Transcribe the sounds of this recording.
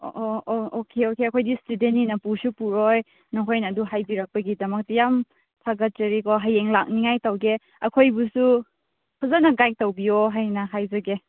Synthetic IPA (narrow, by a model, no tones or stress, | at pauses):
ʔoookʰeokeɐkʰojdistudenːinɐpusupuɾɔj | nɔɦojnɐduɦajbiɾɐk̚pɐɡidɐmɐk̚tijam | tʰaɡɐt̚zɐɾikɔɦajeŋlak̚niŋajtɐwɡe | ɐkʰojbusu | kʰuzanɐɡajk̚tɐwbijɔɦajnɐɦajzɐɡe